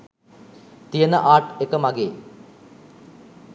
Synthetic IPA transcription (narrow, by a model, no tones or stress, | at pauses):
t̪ijənə̰ʔaːʈekəmaɡeː